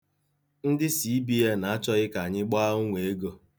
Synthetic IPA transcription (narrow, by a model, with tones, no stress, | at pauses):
n̩˦dɪ˦si˨˦bi˦e˦na˨a˦t͡ʃɔ˦ɣɪ˦ka˨a˨ɲɪ˦ɡ͡baː˦ŋʷe˨e˦ɡo˦